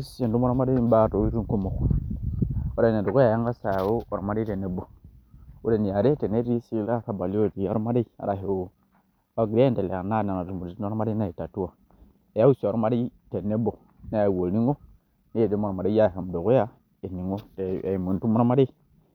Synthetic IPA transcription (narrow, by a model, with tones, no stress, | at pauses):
se˨n˨tu˦mo˦ɾa˦ma˦de˦i˦ba˦˨to˨˦i˦ɾu˦ku˦mo˨k | o˦ɾa˨ne˨do˨ɡo˦ja˦˨a˦ŋɡa˦sa˨ja˨wo˦o˨o˨ma˦e˦e˨ne˦bo˨ | wu˦ɾe˨ni˨ja˨ɾe˦te˨ne˦i˦si˦la˦˨ka˦ba˨li˦o˦˨ti˨˦o˦ɾma˦de˦i˦a̰˨ɾa˨ɦe˨wo˨ | a˦ɡi˨ɾa˦e˦nte˨le˨na˦˨na˨na˨tu˨mu˨i˨˦i˦o˦ɾma˦ɾe˦na˦˨i˨ta˨tu˦wa˨ | e˨ja˦wu˦si˨o˨ɾma˦de˦te˨ne˦bo˨ | na˦ja˨wo˨lni˦ŋo˦ | ne˦je˨de˦mo˦ɾa˨ma˨de˦i˦ja˦˨ha˨m˨do˨ko˦ja˦ | e˨ni˨ŋo˦te˨mu˨n˨tu˦mo˦ɾa˦ma˦de˦i˦